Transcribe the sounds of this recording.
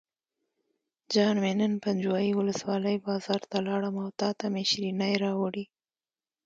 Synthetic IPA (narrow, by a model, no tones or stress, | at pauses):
d͡ʒɑnmenənpand͡ʒwɑjiwʊləswɑləjbɑzɑɾt̪alɑɽəmawt̪ɑt̪ameʃɾinajɾɑwaɽi